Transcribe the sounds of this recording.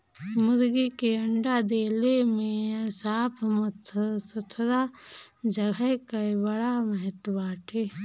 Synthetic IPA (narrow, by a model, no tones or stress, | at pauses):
mʊɾɡikeəɳɖad̪eːlemẽsaːpʰmət̪ʰsət̪ʰɾad͡ʒəɡʱəkaebəɽaməɦət̪baːʈʰeː